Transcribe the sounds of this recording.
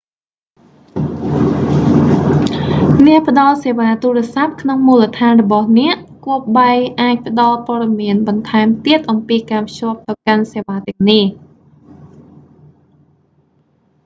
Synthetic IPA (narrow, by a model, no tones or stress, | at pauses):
nɛ̆əʔpə̆ɗɑlseːʋaːt̪uːrɛ̆əsap̚kʰnoŋmuːlət̪ʰaːnrɔɓɑhnɛ̆əʔ | kuəp̚ɓaʔaːc̚pə̆ɗɑlpŏəɗɑmiənɓɑnt̪ʰaɛmt̪iət̪̚ʔɑmpiːkaːpʰt͡ɕŏəp̚t̪awkanseːʋaːt̪ɛ̆əŋnih